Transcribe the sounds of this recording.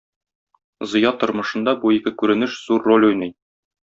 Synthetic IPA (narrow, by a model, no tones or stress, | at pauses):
zɤ̆jɑt̪ŏɾmɤ̆ʃɤ̆nd̪ɑbuikɘkʉɾɘ̆nɘʃz̥uɾːolʲʉjnɘj